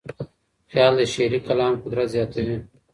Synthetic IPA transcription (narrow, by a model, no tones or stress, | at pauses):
xjaːld̪eʃeːɾikɐlaːmkʊd̪ɾazjaːt̪oɦẽː